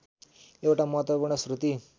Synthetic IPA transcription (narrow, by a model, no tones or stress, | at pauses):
ewʈamʌɦt̪opuɾɳʌsrut̪i